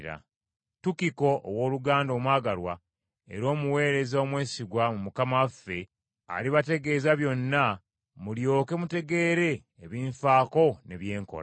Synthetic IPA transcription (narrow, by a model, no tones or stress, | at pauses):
ɾa̰ | tukiko̞ʔo̰wo̞ːluɡaːndo̞ːmwaːɡalwa̰ | e̞̰ɾo̞ːmuwe̞ːɾe̞zoomwe̞ːsiɡwamumukamafe̞ | a̰liβate̞ɡe̞ːzaβjo̞nːa | muljo̞ːke̞mute̞ɡe̞ːɾe̞ː | βiːɱfaːko̞ne̞βje̞ːŋko̰la